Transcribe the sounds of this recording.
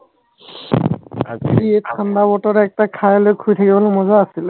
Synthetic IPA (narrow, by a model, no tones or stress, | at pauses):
a̰zɹiet̚kʰandabɔtɔɾɛɛk̚takʰajlojkʰujtʰakibɔlʊmɔzaːsil